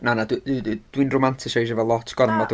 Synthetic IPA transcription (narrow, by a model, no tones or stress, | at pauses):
nanadddd̥winromantʰɪsajʃ̬əvɛlˠlɔtʰɡ̥ɔnənmad